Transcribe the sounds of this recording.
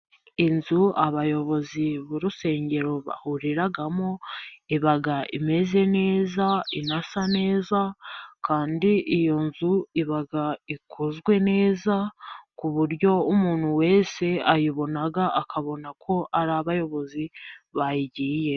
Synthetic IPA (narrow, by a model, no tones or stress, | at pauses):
inzuaβajo̞βo̞ziβuɾuse̞ːɲɟe̞ɾo̞βa̰huɾiɾaɡamoiβaɡaʔime̞ze̞ne̞ːzainasane̞ːzakaːndiʔijo̞nzuiβaɡaikʰozɡwe̞ne̞ːzakuβuɾɟo̞umuːnhuwe̞ːse̞ajiβo̞naɡaʔakʰaβo̞nakʰo̞ʔaɾaβajo̞βo̞ziβajiɟiːje̞